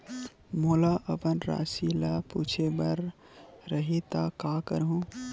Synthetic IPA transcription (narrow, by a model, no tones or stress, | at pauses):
moːlaʔəpənɾa̰ːsilapuːt͡ʃʰebəɾ | ɾəɦet̪akaːkəɾɦũ